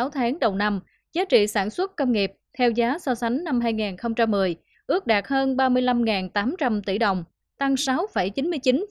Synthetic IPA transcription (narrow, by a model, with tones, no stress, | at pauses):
a˨˦wt̪ʰaː˨˦ŋɗə˨˩wna˧m | zaː˨˦t͡ɕḭ˧˨saː˧˩nswə˦˥t̚kə˧wŋ͡mŋi˨˩p̚t̪ʰɛ˧wzaː˨˦sɔ˧sa˨˦jŋ̟na˧mɦaː˧jŋaː˨˩nxə˧wŋ͡mt͡ɕa˧mːɨ˨˩əj | ʔɨ˦˥ək̚ɗaː˨˩t̚həː˧nɓaː˧mɨ˧əjla˧mŋaː˨˩nt̪aː˨˦mt͡ɕa˧mt̪i˧˩ɗə˨˩wŋ͡m | t̪a˧ŋsa˨˦wfə˧˩jt͡ɕi˨˦nmɨ˧əjt͡ɕi˨˦n